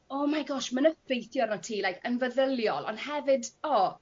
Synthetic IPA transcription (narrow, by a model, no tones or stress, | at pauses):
ɔmajɡɔʃmənəfejθjɔrnɔtʰiːlˠajkʰənvəðəlˠjɔlˠɔ̰nhɛvɨdɔ